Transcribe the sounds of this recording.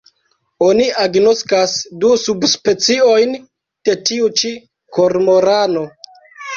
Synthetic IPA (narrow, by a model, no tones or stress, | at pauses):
o̞niaɡno̞skasdusubspe̞t͡sio̞jn | d̥e̞tiut͡ʃi | ko̞ɾmo̞ɾano̞